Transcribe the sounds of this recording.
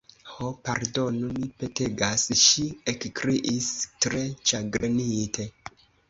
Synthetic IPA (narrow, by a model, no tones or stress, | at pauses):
hopaɾdo̞numipeteɡasʃiekkɾiʔistɾet͡ʃaɡɾenitʰe̞